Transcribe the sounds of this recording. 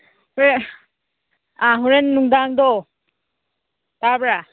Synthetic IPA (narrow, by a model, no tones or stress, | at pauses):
huɾe | aɦuɾenːuŋdaŋd̪ɔ | tabɾa